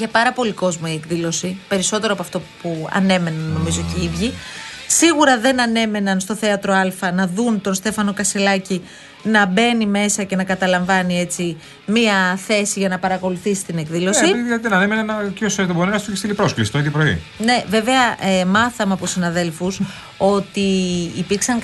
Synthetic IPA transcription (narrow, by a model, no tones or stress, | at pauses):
ʝɐpɐɾɐpo̞liko̞zmoie̞kðilo̞sipe̞ɾiso̞t̪e̞ɾoɐpoɐft̪o̞puɐ̰ne̞me̞nɐnːo̞mizo̞ceivʝisiɣuɾɐðe̞nɐne̞me̞nɐnst̪o̞θe̞ɐt̪ɾo̞ɐlfɐnɐðunt̪o̞nst̪e̞fɐno̞kɐselɐci | nɐbe̞nime̞sɐce̞nɐkɐt̪ɐlɐɱvɐnie̞t͡si | miɐθe̞siʝɐnɐpɐɾɐko̞luθisi̥t̪ine̞kðilo̞siðilɐðiðenɐnemenɐnɐcosoɾit̪ebonenɐst̪uiçist̪ilipɾo̞sklisi̥t̪oiðjopɾo̞ḭne̞ve̞ve̞ɐmɐθɐmeɐpot̪sinɐðe̞lfus | o̞t̪iːpiɾksɐŋ